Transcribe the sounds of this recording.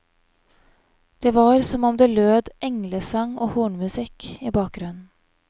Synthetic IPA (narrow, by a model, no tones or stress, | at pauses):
d̪̥eːʋɑːɾsɔmɔmd̪eːløːd̪ʔɛŋləsɑŋoːhuːɳmʉsɪkiːbɑːk̚ɡɾʉnn̩